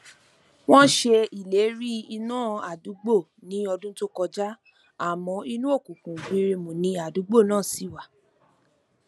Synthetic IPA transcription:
w̃ɔ̃˦ʃe˧i˨le˨˦ɾi˦i˧nãː˦˨a˨du˨˦ɡ͡bo˦˨nĩ˨˦ɔ˧dũ˦to˦kɔ˧d͡ʒa˦ | a˦˨mɔ̃˧˦i˧nũ˦o˦˨kũ˨kũ˨ɡ͡bi˨˦˧ɾe˧mõ˨nĩ˧a˨du˨˦ɡ͡bo˦˨nãː˦˨si˨˦˨wa˨

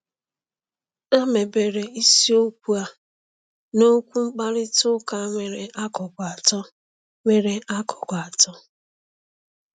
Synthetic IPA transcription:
a˦me˨be˨ɾe˨i˦si˦o˦kʷu˦a˦ | no˦kʷu˦ŋ͡m̩˦k͡pa˦ɾɪ˦tʊ˦ka˦ŋʷe˨ɾe˨ʔa˦kɔ˨ɡʷa˨tɔ˦ | ŋʷe˦ɾe˨a˦kʰɔ˨ɡʷa˨tɔ˦

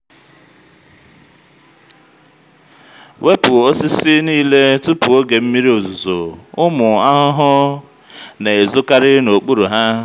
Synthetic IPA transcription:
wʔe˦pʊ˨o˦sɪ˦sɪ˦niː˦le˦tʊ˦pʊ˨o˦ɡe˨m̩˦mi˦ɾi˦o˨zʊ˨zo˨ʊ˦mʊ˨a˦ɦʊ˦ɦʊ˦ | ne˨e˨zʊ˦ka˦ɾɪ˦no˨k͡pu˦ɾu˨ɦa˦

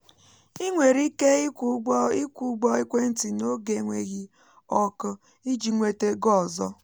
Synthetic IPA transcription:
i˦ŋʷe˨ɾi˦ke˦i˦kʷu˨˦ɡ͡bɔ˦i˦kʷe˦n̩˦ti˨no˦ɡe˨ŋʷe˨ɣi˦ | ɔ˦kʊ˦ | i˦d͡ʒi˨ŋʷe˦te˦ɡɔ˦˨zɔ˦

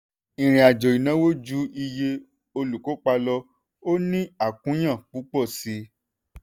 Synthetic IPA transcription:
ĩ˨ɾ̃ĩ˨a˨d͡ʒɔ˨i˨nã˨˦wo˦d͡ʒu˦i˧je˧ | o˧lu˨ko˨˦k͡pa˧lɔ˧ | o˦nĩ˦a˦˨kũ˨˦j̃ã˦˨k͡pu˨˦k͡pɔ˦˨si˨˦

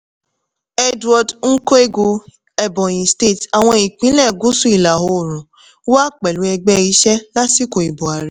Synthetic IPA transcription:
ɛ˧dwɔ˧dŋ̩˦ko˦e˦ɡu˧ | ɛ˧bɔ̃˨j̃ĩ˨ste˦˨ta˨w̃ɔ̃˧i˨k͡pĩ˦lɛ˦˨ɡu˦su˦i˦˨la˨ɦo˧˨ɾũ˨˦ | wa˦k͡pɛ˨lu˨˦ɛ˧ɡ͡bɛ˦i˧˦ʃɛ˦la˦ti˦ko˨i˨bo˨a˨ɾi˨˦

